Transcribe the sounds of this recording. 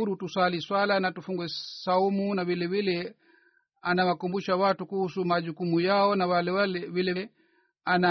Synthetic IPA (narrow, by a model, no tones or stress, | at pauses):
uɾutuswaliswalanatufuŋɡwɛsaumunavilɛvilɛ | anawakumbuʃawatukuhusumaʄukumujaɔnawalɛwalɛvilɛ | ana